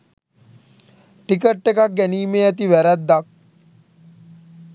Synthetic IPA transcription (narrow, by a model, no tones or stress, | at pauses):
ʈikəʈːekak̚ɡɛniːmeɐt̪iʋɛɾat̪d̪ak̚